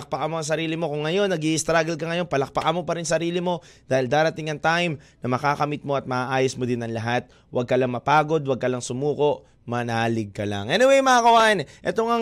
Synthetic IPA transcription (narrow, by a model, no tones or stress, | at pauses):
k̚paʔɐmoɐŋs̬ɐɾiːlɪmo̞kʊŋːɐjo̞nːɐɡiʔɪst̪ɾaːɡɐlkɐŋɐjo̞npɐlɐk̚pɐʔɐmo̞pɐɾɪnsɐɾiːlɪmo̞ | d̪̥aːhɪld̪aːɾɐt̪ɪŋɐŋt̪ajmnɐmɐkaːkɐmɪt̪̚mo̞ɐt̪̚mɐʔaːʔaːjosmod̪ɪnɐŋlɐɦat̪̚ | wɐɡ̚kɐlaŋmɐpaːɡo̞d̪wɐɡ̚kɐlɐŋsʊmuːko̞ʔ | mɐnaːlɪɡ̚kɐla̰ŋʔɛnɪwɛjmɐakɐwaʔɪnʔɛt̪oŋɐ